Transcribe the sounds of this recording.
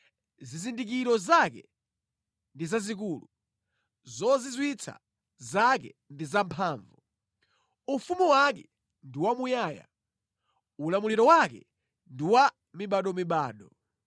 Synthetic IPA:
zizindik̬iɾɔzakɛ̰ | ndizazik̬uːlu | zɔzizwit͡sʰa̰ | zakɛ̰ndizampʰaːɱvu | ufumuwakɛ | ndiwamujaːja̰ | ulamuliɾɔwakɛ̰ | ndiwa | miɓaɗɔmiɓaːɗɔ

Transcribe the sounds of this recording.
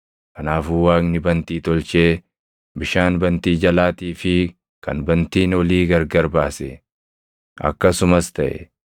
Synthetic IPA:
kɐnaːfʊwaːknɪbɐnt̪iːt̪ɔlt͡ʃeː | bɪʃaːnbɐnt̪iːd͡ʒɐlaːt̪iːfɪ | kʰɐ̰nbɐnt̪iːnɔliːɡɐɾɡɐɾbaːsɛ̰ | ɐ̰kːɐsʊmɐst̪ɐʔɛ̰

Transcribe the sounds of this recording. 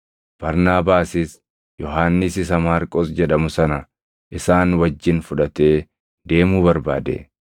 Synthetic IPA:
b̥ɐɾnaːbaːsɪs | jɔɦaːnːɪsɪs̬ɐmaːɾkʼoːsd͡ʒɛᶑɐmʊsɐnɐ | ʔɪsaːnwɐd͡ʒːɪnfʊᶑɐt̪e̞ː | d̪e̞ːmuːbɐɾbaːd̪ḛː

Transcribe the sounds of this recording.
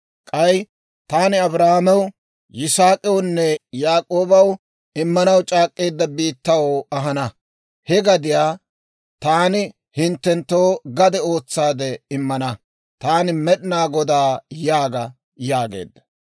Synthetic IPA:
kʼɐj | t̪aːnɪɐbɾahamɛwʊ | jɪsaːkʼɛwʊnːɛjaːkʼoːbɐw | ɪmːɐnɐwt͡ʃʼaːkʼːe̞ːd̪ːɐbiːt̪ːɐwɐɦɐnɐ | hɛɡɐd̪ɪjaː | t̪aːnɪ | hɪnt̪ːɛnt̪ːoːɡɐd̪ɛo̞ːt͡sːaːd̪ɛɪmːɐnɐ | t̪aːnɪmɛɗɪnaːɡɔd̪aːjaːɡɐ | jaːɡḛːd̪ːɐ̥

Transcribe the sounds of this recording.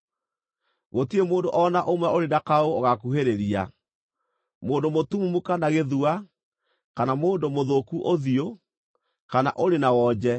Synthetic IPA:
ɣotiemoːndoʔɔnaʔomwɛoɾedakaooɣakuɦeɾeɾia̰ | moːndomotumumukanaɣeðua | kanamoːndomoðokuʔoðio | kana̰ʔoɾenawɔd͡ʑɛ

